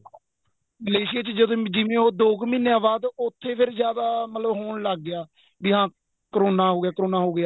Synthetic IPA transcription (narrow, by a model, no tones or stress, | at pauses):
məleːsɪjaːt͡ʃd͡ʒəd̪õːd͡ʒɪʋẽːɦoːd̪oːkmineaʋaːd̪ʊt̪ʰːeːpʰɪɾzjaːd̪aːmət̪ləbɦoːɳləɡːɪjaː | bɪɦãː | kəɾoːnaːɦoːɡɪjaːkəɾoːnaːɦoːɡɪjaː